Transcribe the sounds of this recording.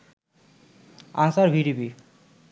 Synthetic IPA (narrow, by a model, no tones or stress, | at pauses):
a̰nsaɾbʱiɾibi